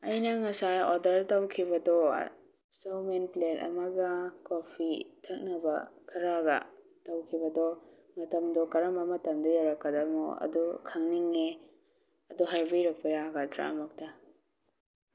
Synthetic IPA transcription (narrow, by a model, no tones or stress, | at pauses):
ɐjnɐŋɐsajodɐɾtawkʰibɐdɔ̰ | sɐwmenplenɐ̰mɐɡɐkopʰitʰɐk̚nɐbɐkʰɐɾaɡɐ̰ | tɐwkʰibɐdɔ | mɐtɐmdɔkɐɾɐmbɐmɐtɐmdɔjawɾɐkːɐdɐmṵɐ̰dukʰɐŋniŋːe | ɐduɦaɾbiɾɐk̚pɐjaɡatɾa̰ɐmɐk̚tɐ